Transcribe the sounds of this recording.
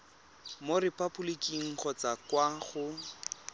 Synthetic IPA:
morɪpʼabulikiŋ̩χɔt͡sakwaχʊ

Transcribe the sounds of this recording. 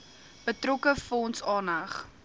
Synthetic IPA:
b̥ətrɔkəfɔːnsɑːnɐχ

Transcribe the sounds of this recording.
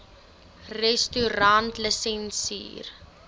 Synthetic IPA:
rɛstyɾantləsɛnsḭːr

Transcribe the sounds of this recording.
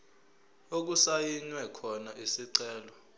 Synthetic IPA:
ok̬usajiɲwɛkʰɔnaʔisiǀɛːlɔ

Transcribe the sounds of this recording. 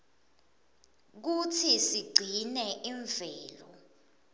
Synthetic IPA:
k̬utʰisiɡ͡ǀʱinɛʔiɱv̥ɛːlɔ̰

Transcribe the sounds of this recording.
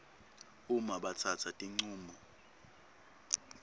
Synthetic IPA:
umaɓat͡sʰat͡sʰatʼiŋ͡ǀuːmɔ

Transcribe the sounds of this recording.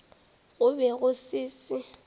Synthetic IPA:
ɣʊbɛɣʊsɪːsɪ

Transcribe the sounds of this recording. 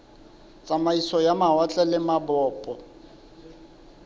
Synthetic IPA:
t͡sʼamaisɔjamaat͡ɬʼɛlɪmabɔːpʼɔ

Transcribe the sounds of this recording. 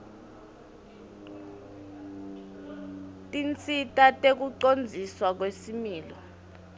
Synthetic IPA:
tʼint͡sʰʼitʼatʼek̬uǀond͡zʱiswak̬wesimiːlɔ

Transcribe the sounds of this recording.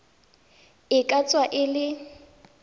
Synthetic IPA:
ɪkʼat͡sʼwaʔɪlɪ

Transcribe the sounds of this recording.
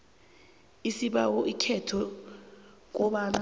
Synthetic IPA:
isiɓawɔʔikʰɛtʰɔ | k̬ɔɓana

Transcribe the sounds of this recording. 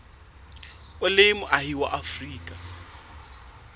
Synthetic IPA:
ʊlemʊʔaɦiwa̰ʔafriːkʼa

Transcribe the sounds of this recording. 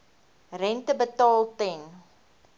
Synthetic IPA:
rɛntəbətɑːlˠtɛn

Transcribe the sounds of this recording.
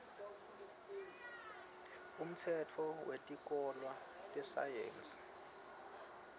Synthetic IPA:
um̩tʰɛtʰɔwetʼik̬ʼɔlwa | tʼɛsa̰jḛːnsi̥

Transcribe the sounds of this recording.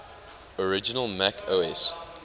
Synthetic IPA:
ɔɹɪd͡ʒɪnəlˠmækʰoɛs

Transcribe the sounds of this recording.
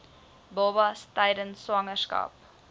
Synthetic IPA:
bɔbɐstɛjdənswɐŋərskɐ̰p

